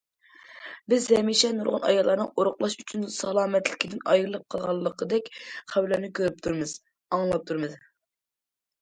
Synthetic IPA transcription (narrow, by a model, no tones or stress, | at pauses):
bɪzɛmiʃɛnuɾʁʊnɑ̰jɑlˠːɑɾnɨŋoɾʊχlˠɑʃyt͡ʃʰynsɑlˠɑːmɛt̪lɪkʲʰid̪ɪnɑ̰jɨɾɨlˠɨp̚qʰɑlˠʁɑlˠːəqəd̪ɛkʲχæwlɛnɪkʲʰøɾyp̚t̪ʰuɾmɨz̥ | ɑŋlˠɑp̚t̪ʰuɾmɨz